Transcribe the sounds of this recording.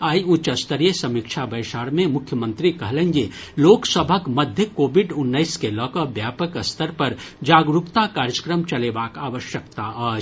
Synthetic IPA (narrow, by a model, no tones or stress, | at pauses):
aːiũt͡ʃəst̪əɾijesɐmikt͡ʃʰabɐɪʃaːɾmẽmʊkʰːjəmə̃nt̪ɾikɐɦlẽŋɡe | loːksəbʱəkmɐd̪ʱjəkoːbiɖʊnːəɪskelɔːkəbjaːpəkəst̪ʰəɾpɐɾd͡ʒaːɡɾupt̪akaːɾjəkɾəmt͡ʃɐlebaːkaːʋəʃjəkt̪aaːd͡ʒ